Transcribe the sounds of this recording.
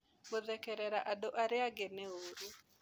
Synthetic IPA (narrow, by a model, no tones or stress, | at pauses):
boðɛkɛɾɛɾaʔadoʔaɾɪaɡenɛoɾu